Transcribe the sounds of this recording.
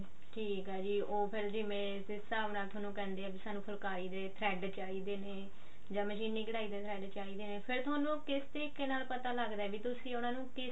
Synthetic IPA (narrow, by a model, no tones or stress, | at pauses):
ʈʰiːkɦɛːd͡ʒiːoːpʰɪɾd͡ʒɪmẽː | sɪsaːbnaːlt̪ʰaːnũːkɛ̃ːnd̪eːaːbiːsaːnũːpʰəlkaːiːd̪eːt̪ʰɾɛːɖt͡ʃaːiːd̪eːneː | d͡ʒãːməʃiːnĩːkəɽaːiːd̪eːt̪ʰɾɛːɖt͡ʃaːiːd̪eːneːpʰɪɾt̪ʰoːnũːkɪst̪ɾiːkːeːnaːlpət̪aːləɡd̪aɛːʋiːt̪ʊsĩːʊnãːnũːkɪ